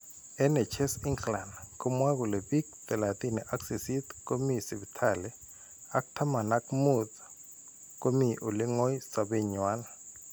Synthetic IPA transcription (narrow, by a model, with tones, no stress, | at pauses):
ɛ˦nɛ˨t͡ʃʰɛ˦si˦ŋkla˨nku˦mwa˦k̬u˨lɛ˨bi˦k̚pɛ˨la˨t̪i˦ni˨ʔa˦ksi˨si˦t̪ko˦misi˨βi˨tʰa˨lɛ˦ | a˦ku̥tʰa˦ma˨na˦kmu˨tḁ | kʼo˦mi˨ʔu˨li˦ŋo˦i˦sa˨be˨ɲwa˦na